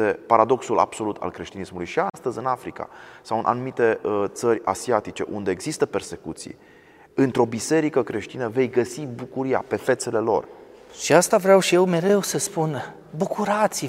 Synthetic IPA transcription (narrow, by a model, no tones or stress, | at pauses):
e̞paɾad̪o̞ksula̰b̥so̞lut̪ʰa̰lkɾe̞ʃt̪inismulujʃiast̪əzɨnafɾika̰sawɨnʔa̰numit̪e̞t̪sərʲa̰siat̪it͡ʃe̞̰ʔund̪e̞ːɡzist̪əpe̞rse̞kut̪sḭj | ɨnt̪ɾo̞bise̞ɾikəkɾe̞ʃt̪inəve̞jɡəsibukuɾija̰pe̞fe̞t̪se̞le̞lo̞̰r | ʃiast̪avɾawʃijewme̞ɾe̞wsəspun | bukuɾat̪s